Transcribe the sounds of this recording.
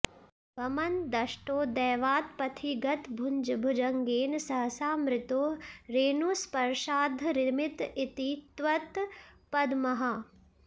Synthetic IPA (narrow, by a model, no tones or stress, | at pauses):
ʋɐmɐnd̪ɐʃʈoːd̪ɛːʋaːt̪̚pɐt̪ʰiɡɐt̪bʱuɲd͡ʒbʱud͡ʒɐŋɡeːnsɐɦɐsaːmɾɪt̪oːɾeːnuspɐɾʃaːd̪ʱɾɪmɪt̪it̪it̪ʋɐt̪ | pɐd̪mɐɦɐ